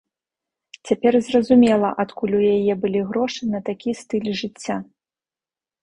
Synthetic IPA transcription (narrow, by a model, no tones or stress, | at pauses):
t͡sʲapʲɛrzrɐzumʲɛlˠɐʔat̪kulʲujajɛbɨlʲiɣɾɔʂɨnɐt̪akʲist̪ɨlʲʐɨt͡sʲːa